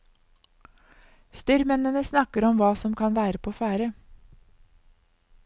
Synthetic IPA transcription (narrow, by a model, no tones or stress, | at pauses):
st̪ʏɾmɛnənəsnɑkəɾɔmʋɑːsɔmkʰɑnʋæːɾəpʰoːfæːɾə